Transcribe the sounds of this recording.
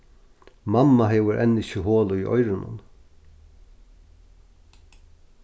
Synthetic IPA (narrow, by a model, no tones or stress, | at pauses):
mamːaɦɛːʋʊɾʔɛnːɪʃɪɦoːlʊiʔɔ̰jɾɪnʊ̰n